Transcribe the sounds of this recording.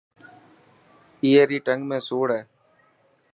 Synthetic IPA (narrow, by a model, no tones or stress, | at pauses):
iːeːɾiːʈəŋɡmẽːsoːɽɛː